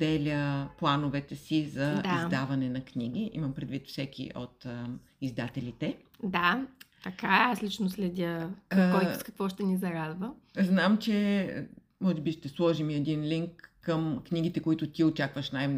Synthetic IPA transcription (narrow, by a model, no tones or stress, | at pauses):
d̪ɛlʲəplˠanovɛt̪ɛsizɐaizd̪avɐnɛnɐkniɡ̟iʔḭmɐmpɾɛd̪vit̪fsɛkʲḭʔo̰t̪ | izd̪at̪ɛlit̪ɛ | d̪at̪ɐkaɛaslit͡ʃnʊslɛd̪ʲəkɔjskɐ̥kvɔʃt̪ɛnizɐɾad̪və | znamt͡ʃɛ | mɔʒɛbiʃt̪ɛslˠɔʒimiɛd̪inliŋkːəmkniɡ̟it̪ɛkoit̪ʊt̪iot͡ʃakvəʃnaj